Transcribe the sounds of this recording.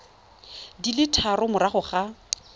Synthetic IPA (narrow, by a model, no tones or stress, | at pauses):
dilɪtʰarʊmʊɾaχʊχa